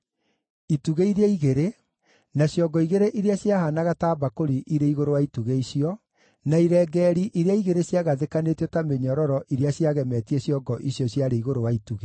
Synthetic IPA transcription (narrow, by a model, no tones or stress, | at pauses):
ituɣeiɾeeiɣeɾe | naɕjɔɡɔiɣeɾeʔiɾeaɕjahanaɣataːbakoɾiʔiɾeiɣoɾowaituɣeiɕiɔ | naiɾɛːɡɛːɾiʔiɾeaiɣeɾeɕjaɣaðekanetɔtameɲɔɾɔɾɔʔiɾeaɕiaɣɛmɛtieɕjɔɡɔʔiɕjɔɕjaɾeiɣoɾowaituɣe